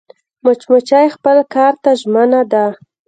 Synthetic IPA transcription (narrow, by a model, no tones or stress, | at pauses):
mʊt͡ʃmʊt͡ʃajxpəlkɑɾt̪aʒmənad̪a